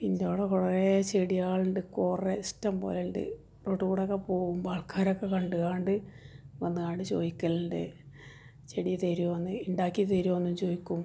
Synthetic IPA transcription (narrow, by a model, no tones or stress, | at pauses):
ind̪oːɽekuret͡ɕeɽijaːɭɨɳɖɨkoːreistːɐmpo̰ːleɳɖɨ̰ | roːʈːukuɽokːepo̞ːɣumbaːɭkʰaːɾokːekɐɳɖɨɣaːɳɖɨʋɐnːɨaːɳɖɨt͡ɕo̞̰ːðikʲːɐlɳɖɨ | t͡ɕeɽijɐt̪eɾuonːɨiɳɖaːkʲːit̪eɾuoonːumt͡ɕo̞ːjikʲːum